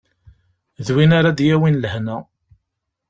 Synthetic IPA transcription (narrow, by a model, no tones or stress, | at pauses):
ðwinaɾad̪jæwinlhnæ